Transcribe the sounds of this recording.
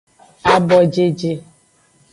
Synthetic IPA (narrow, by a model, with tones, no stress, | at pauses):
a˦bɔ˦d͡ʒe˦d͡ʒe˦